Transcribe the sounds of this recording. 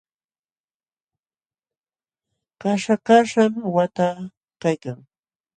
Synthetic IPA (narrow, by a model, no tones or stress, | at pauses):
kaʃakaʂamwat̪a | kajkaŋ